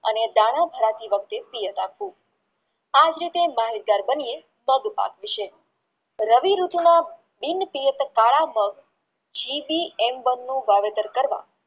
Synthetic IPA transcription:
ə̰ned̪aɽ̃abʱəɾat̪iʋək̚ʰt̪epijət̪apʋũ | ad͡ʒɾit̪emaɦiɾɡ̪aɾbənie | məɡpa̰kʋiʃe | ɾəʋiɾut̪na | binpijət̪kaɭaməɡ | d͡ʒibiɛmʋənːũʋaʋet̪əɾkəɾʋa̰

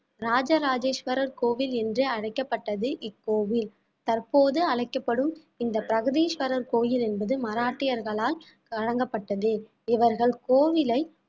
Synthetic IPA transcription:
ɾaːd͡ʒɐɾaːd͡ʒeːʂʋɐɾɐɾkoːʋɪlɛndrɯɐɽɐɪkːɐpːɐʈːɐðɯʔɪkːoːʋɪl | t̪ɐɾpoːðɯɐɻɐɪkːɐpːɐɽɯm | ɪnd̪ɐpɪɾɐɣɐðiːʂʋɐɾɐɾkoːjɪlɛnbɐðɯmɐɾaːʈːɪjɐɾɣɐɭaːl | kɐɻɐŋɡɐpːɐʈːɐðɯ | ɪʋɐɾɣɐɭkoːʋɪlɐɪ

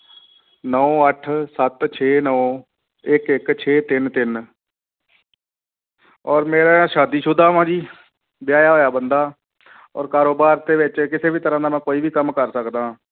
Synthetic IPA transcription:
nɔːəʈʰsət̪t͡ʃʰeːnɔː | ɪkɪkt͡ʃʰeːt̪ɪnt̪ɪn | ɔːɾmeːɾaːʃaːd̪iːʃʊd̪aːʋãːd͡ʒiː | bɪjaːjaːɦoːjaːbənd̪aː | ɔ̰ːɾkaːɾoːbaːɾt̪eːʋɪt͡ʃkɪseːbiːt̪əɾãːd̪aːmɛ̃ːkoːiːbiːkəmkəɾsəkd̪aː

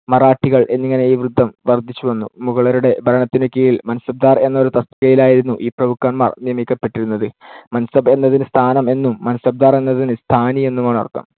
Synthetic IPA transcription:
mɐraːʈːiɣɐɭʔe̞nːiŋːɐne̞iːʋrɨd̪ʱːɐmʋɐrd̪ʱit͡ɕːuʋɐnːṵmuɣɐɭɐɾuɽe̞bʱɐɾɐɳɐt̪ːinokʲːijilmɐnsɐb̚d̪aːre̞nːɐo̞ɾut̪ɐst̪ɐɣɐjilaːjiɾunːuʔiːprɐmukːaɳmaːrnijɐmikʲːɐpːe̞ʈːiɾunːɐðɨmɐnsɐbe̞nːɐðinɨst̪ʰaːnɐme̞nːumːɐnɐsɐb̚d̪aːre̞nːɐðinɨst̪ʰaːnie̞nːumaːɳɐ̰rt̪ːɐ̰m

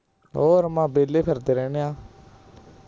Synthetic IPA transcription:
ɦoːɾmãːbeːleːpʰəɾd̪eːɾɛːneːãː

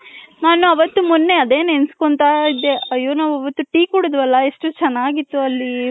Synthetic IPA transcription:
naːnuɐʋɐt̪ːumunːe̞ɐd̪e̞ːnenskoɳt̪aːid̪eɐjoːnaːʋuɐʋɐt̪ːuʈiːkuɽud̪ʋɐlːɐe̞ʂʈut͡ʃɛnːaːɡit̪ːuɐlːi

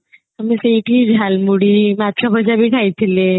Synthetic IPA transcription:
əmisejʈiːd͡zʱalmuɽiːmat̪ɾabʱəd͡ʑabʱiːkʰajt̪ʰele

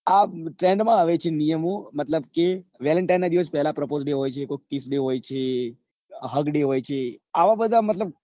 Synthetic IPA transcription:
aʈɾẽɳɖmãaʋet͡ʃʰenijəmomət̪ləbkeʋɛləɳʈajnːad̪iʋəs̬pɛɦlapɾəpozɖeɦojt͡ʃʰekokisɖeɦojt͡ʃʰe | ɦəɡɖeɦojt͡ʃʰeaʋabəd̪ʱamət̪ləb̚

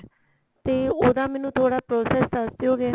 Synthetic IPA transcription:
t̪eːoːd̪ãːmɛ̃ːnũːt̪ʰoːɽaːpɾoːsɛːsdəɾd̪eoːɡɛː

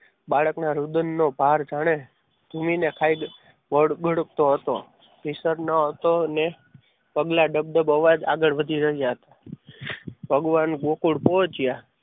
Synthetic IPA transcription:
baɭəknaɾud̪ənːobʱaɾd͡ʒaɽ̃e | d̪̥ʱuminekʰaiɡ | əɽɡʱəɽək̚t̪oɦət̪o | pisəɾnəɦət̪one | pəɡlaɖəb̚ɖ̪əbəʋad͡ʒa̰ɡəɭʋəd̪ʱiɾəɦijaɦət̪a | bʱəɡʋanɡokuɽpɔt͡ʃija

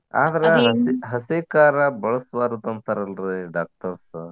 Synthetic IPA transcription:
a̰ːd̪ɐɾɐɦɐɦɐseːkaːɾɐbɐɭɐsʋaːɾud̪ɐnt̪ɐɾɐlɾiɖaːk̚ʈɐɾs

